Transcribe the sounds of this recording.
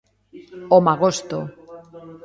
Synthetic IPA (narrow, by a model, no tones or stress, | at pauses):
omaɣost̪o